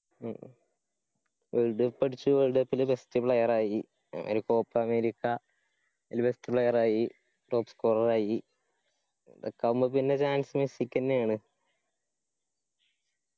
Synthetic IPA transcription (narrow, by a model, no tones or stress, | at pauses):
ʋeɻɖɨpːɐɽit͡ɕːuʋeɭɖɐpːilbestipɭɐjɐraːjḭ | ɐ̰ɾuko̞ːpːɐɐmeːɾikːɐ | ilbestipɭɐjɐraːji | roːpskoːrɐraːji | dḛkːɐmbɨpinːet͡ɕaːnsɨmesikʲːɐnːejaːɳɨ